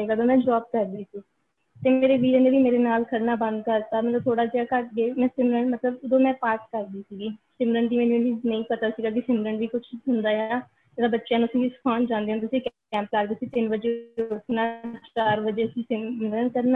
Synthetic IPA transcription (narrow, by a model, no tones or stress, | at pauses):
eːɡaːd̪oːmɛ̃ːd͡ʒaːp̚kəɾd̪iːsiː | t̪eːmeːɾeːʋiːd͡ʒeeːʋiːmeːɾeːnaːlkʰəɾnaːbə̃nd̪̚kəɾt̪aːmɛ̃ːoːt̪ʰoːɽaːd͡ʒaːkəʈ̚ɡeːmɛ̃ːsɪmɾəɳʈmət̪ləbd̪õːmɛ̃ːpaːɾʈkəɾd̪iːsiːɡiːsɪmɾəɳɖd̪iːmɛ̃ːnũniːznəĩːpət̪aːsiːɡaːk̬ɪsɪmɾəɳʈʋiːkʊt͡ʃʰɦʊnd̪aːjaː | d͡ʒeːɽaːbətːʃjãːnũəsĩːʋiːsə̥kʰaːnd͡ʒãːnd̪eɦãnːt̪̬ʊsĩːk | ɛ̃ːmplaɾd̪esĩːt̪ɪnbəd͡ʒeːokʰnaːt͡ʃaːɾbəd͡ʒeːsĩːsɪmɾəɳkəɾnaː